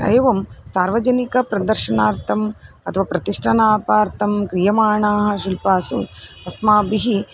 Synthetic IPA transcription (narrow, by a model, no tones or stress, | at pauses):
ɐ̰jʋɐmsaːɾʋɐd͡ʒɐnikɐpɾɐd̪ɐɾʃɐnaːɾt̪ʰɐm | ɐt̪ʰɐʋaːpɾɐt̪iʂʈʰɐnaːpaːɾt̪ʰɐmkɾijɐmaːɳaːɦɐ̆ʃilpaːsṵɐsmaːbiɦi